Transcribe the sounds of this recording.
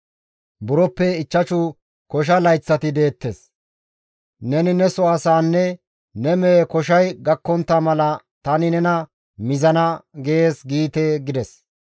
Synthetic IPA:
bʊɾɔpːɛɪt͡ʃːɐt͡ʃʊ | kɔʃ̬ɐlɐjt͡sːɐt̪ɪd̪e̞ːt̪ːes | nɛnɪnɛsɔasaːnːɛ | nɛmɛkɔʃ̬ɐjɡɐkːɔnt̪ːɐmɐlɐ | t̪ɐnɪnɛnɐ | mɪzɐnɐɡeeːsɡiːt̪eɡɪd̪ɛs

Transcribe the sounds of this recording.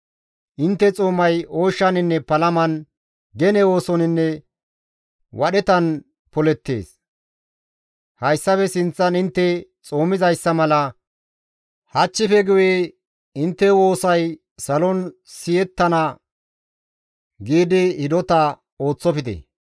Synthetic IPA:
ʔɪnt̪ːɛt͡sʼoːmɐjo̞ːʃːɐnɪnːɛpɐlɐmɐn | ɡɛnɛo̞ːsɔnɪnːɛ | wɐɗɛt̪ɐn | pɔlɛt̪ːe̞̰ːs | hɐjsːɐfɛsɪnt͡sːɐnɪnt̪ːɛt͡sʼoːmɪzɐjsːɐmɐlɐ | hɐt͡ʃːɪfɛɡʊjeː | ɪnt̪ːɛwo̞ːsɐj | sɐlɔnsɪjɛt̪ːɐnɐ | ɡiːd̪ɪhɪd̪ɔt̪ɐ | o̞ːt͡sːɔpɪd̪ɛ̰

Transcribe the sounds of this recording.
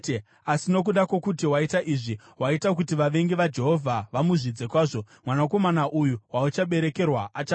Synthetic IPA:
asino̞k̬uɗakwokutiwaitaʔiʐi | ɦwaitak̬utiʋaʋe̞ŋɡiʋad͡ʒe̞ɦo̞vʱaʋamuʐid͡zekwaːʐo̞ | mwanako̞manaʔujuwaut͡ʃaɓe̞ɾe̞ke̞rwaʔat͡ʃa

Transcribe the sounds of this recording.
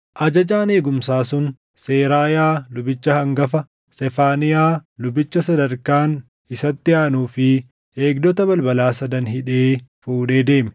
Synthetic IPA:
ʔɐd͡ʒɐd͡ʒaːne̞ːɡʊmsaːsʊn | se̞ːɾaːjaːlʊbɪt͡ʃːɐhɐŋɡɐfɐ | sɛfaːnɪjaːlʊbɪt͡ʃːɐsɐd̪ɐɾkaːn | ɪsɐt̪ːɪjaːnuːfɪ | e̞ːɡd̪ɔt̪ɐbɐlbɐlaːsɐd̪ɐnɦɪᶑe̞ːfuːᶑe̞ːd̪e̞ːmɛ̥

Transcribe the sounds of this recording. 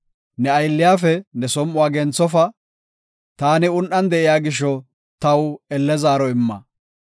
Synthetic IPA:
nɛɐjlːɪjaːfɛnɛsɔmːʊwaːɡɛnt͡sːɔfɐ | t̪aːnɪʊnʔɐnd̪ɛʔɪjaːɡɪʃːɔ | t̪ɐwɛlːɛzaːɾɔɪmːɐ̰

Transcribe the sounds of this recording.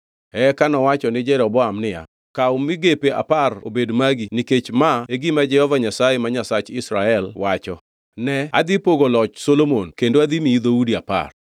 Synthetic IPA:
ɛkanɔwat͡ʃɔnɪd͡ʒɛɾɔbɔamnɪja̰ | kaʊmɪɡepea̰paro̰bedmaɡiniket͡ʃmaeɡimad͡ʒɛhɔvaɲasajemaɲasat͡ʃɪsɾaɛlwat͡ʃɔ | nɛa̰d̪ipoɡolɔt͡ʃsolomonkendoad̪imiːd̪oudiapa̰r

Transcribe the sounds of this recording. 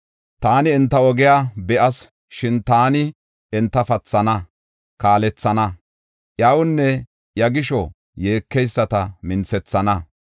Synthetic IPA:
t̪aːnɪːnt̪ːɐwɔɡɛjaːbɛʔɐs | ʃɪnt̪aːnɪ | ɛnt̪ːɐfɐt͡sːɐnɐ | kaːlɛt͡sːɐnɐ | ʔjaːwʊnːɛ | jɐɡɪʃɔ | je̞ːkːɛjsːɐt̪ɐmɪnt͡sɛt͡sːɐnɐ

